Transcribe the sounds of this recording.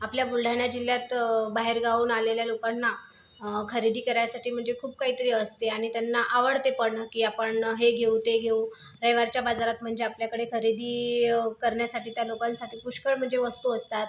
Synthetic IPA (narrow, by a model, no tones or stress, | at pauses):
apljabulɖʱaɳjad͡ʑilːjat̪baɦeɾɡʱauːnaleljalokanːa | kʰəɾid̪iːkəɾajasaʈiːm̤əɳd͡zekʰuːb̚kaɦiːt̪əɾiːəst̪eaɽ̃it̪janːaʔaʋəɽt̪epəɳakiːapəɳɦeɡʱeut̪eɡʱeu | ɾəjʋaɾt͡ɕjabad͡zaɾat̪m̤əɳd͡zeapljakəɽekʰəɾid̪iːkəɾɳjasaʈiːt̪jalokansaʈʰiːpuɕkəɭm̤əɳd͡zeʋəst̪uəst̪at̪